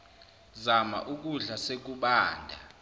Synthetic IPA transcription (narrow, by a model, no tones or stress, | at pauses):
zama̰ʔuk̬ʼuɮasek̬uɓaːndʱa